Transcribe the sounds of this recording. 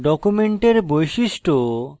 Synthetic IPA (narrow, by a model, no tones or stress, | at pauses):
ɖɔkumeɳʈeɾbojʃiʃʈo